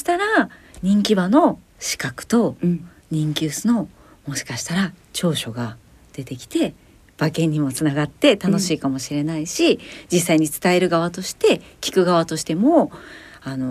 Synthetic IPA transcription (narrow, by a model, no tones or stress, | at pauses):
oɕi̥t̪aɾaɲ̟ĩŋkʲibano̞ | ɕi̥kakɯ̟̥t̪o̞ | ɲ̟ĩŋkʲɨːsɨno̞ | mo̞ɕi̥kaɕi̥t̪aɾa | t͡ɕo̞ːɕo̞ɡa | d̪̥e̞t̪e̞kʲi̥t̪e̞ | b̥akẽ̞ɲ̟ːimo̞t͡sɨnaɡat̪ːe̞t̪ano̞ɕiːkamo̞ɕiɾe̞naiɕid͡ʑisːaiɲ̟it͡sɨ̥t̪ae̞ɾɯ̟ɡaβat̪o̞ɕi̥t̪e̞kʲi̥kɯ̟ɡaβ̞at̪o̞ɕi̥t̪e̞mo̞ano̞